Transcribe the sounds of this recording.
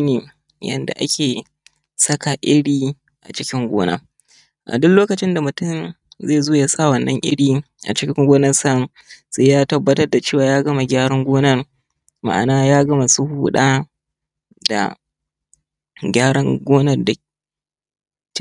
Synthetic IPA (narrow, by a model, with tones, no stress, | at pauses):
neː˨ | jɐ̰˨nda̰˨ʔa̰˦kʲeː˨ | sɐ˦ka˨ʔɪ˦ɽiː˦ | ʔa̰˨t͡ʃɪ˦kʲɪ˦ŋɡʷoː˦na̰ː˦ | ʔa̰˨dʊ˦kloː˦kɐ˨t͡ʃɪ˦nda˨mʊ˨tʊ˦˨nzeː˦˨zoː˦ja˦sa˦˨wɐ˨nːɐ˦ŋʔɪ̰˦ɽiː˦ | ʔa̰˨t͡ʃɪ˦kʲɪ˦ŋɡʷoː˦nɐ˦rsɐ˦˨ | seː˦jaː˦tɐ˦bːɐ˦tɐ˦rda˨t͡ʃeː˦˨waː˨jaː˦ɡɐ˦ma˨ɡʲaː˦ɽɐ˦ŋɡʷoː˦nɐ˦r | ma̰˨ʔa̰˨naː˦jaː˦ɡɐ˦ma˨su˦huː˦ɗaː˦ | da̰˨ | ɡʲaː˦ɽɐ˦ŋɡʷoː˦nɐ˦rda˨